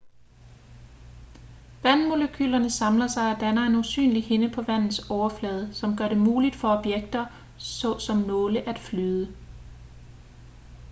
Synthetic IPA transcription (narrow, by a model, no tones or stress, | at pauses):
ʋænmo̝ləkʰy̰ːlɐnəsɑ̈mlɐsɑ̈ɪɒd̥ænɐe̝nusy̰ːnlihe̝nəpʰɒ̽ʋæn̰ð̩ˠsɒʊɐflɛːð̞ˠsɒ̽mɡ̥ɶɐɾe̝muːlid̥fɒ̽ɒ̽b̥jeɡ̥̚d̥ɐ | sɒsɒ̽mnɔːləʔæd̥flyːð̞ˠə